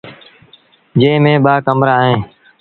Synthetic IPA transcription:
d͡ʒeːmẽːɓaːkəmɾaːɦẽː

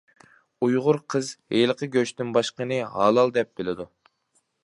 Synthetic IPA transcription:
ujʁʊɾqʰəzhelˠəqʰəɡʲøt͡ʃt̪ɪnbɑʃqənɨɦɑ̰ːlˠɑlˠd̪ɛp̚b̥ɪlɪd̪u

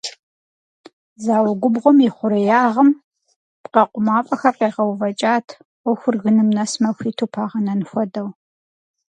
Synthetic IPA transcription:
zaːwɐɡʷʊbʁʷʊmiχʷʊɾɨjaːʁɐm | pqɐqʷʼʊmaːfʼɐxɐrqeːʁɐwvɐt͡ʃʼaːtʰʷ | ɔxʷʊrɣɨnɨmnɐsmɐxʷiːtʰuːpʰaːʁɐnɐnxʷɔdɐw

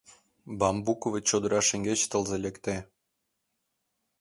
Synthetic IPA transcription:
bɑmbukovĕt͡ɕod̪ɤɾɑʃĕŋɡʲet͡ɕt̪ɤ̆lzelʲekt̪e

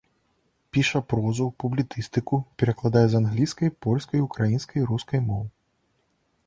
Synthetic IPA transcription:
pʲiʂɐpɾɔzupublʲit̪sɨst̪ɨkupʲɛɾɐklˠad̪ajɛzanɣlʲiskɐjpɔlʲskɐjukɾajinskʰɐjɾuskɐjmɔwɨ

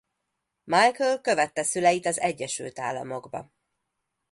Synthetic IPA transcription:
majkølkø̞vɛt̪ːɛsylɛjit̪ɒzɛɟːɛʃy̰lt̪a̰ːlːɒ̰mo̞ɡbɒ̰

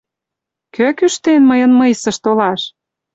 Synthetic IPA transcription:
køkyʃt̪enməjə̆nmɤjsə̆ʃt̪olɑʃ

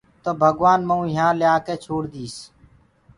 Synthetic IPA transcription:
t̪oːbʱəɡʋaːnməũːɪjãːlɪjaːkeːt͡ʃʰoːɽd̪iːs

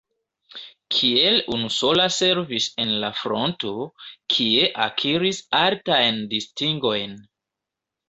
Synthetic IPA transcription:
kʰie̞lunuso̞lase̞ɾvise̞nlafɾo̞nto̞kʰie̞ʔa̰kʰiɾisaltajndistiŋɡo̞jn

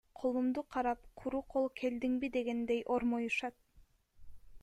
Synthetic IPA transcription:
qʰolˠumd̪uqʰɑɾɑp̚qʰuɾuqʰolˠkʰe̞ld̪iŋbid̪e̞ɡe̞nd̪e̞jʔoɾmojuʃɑt̪̚

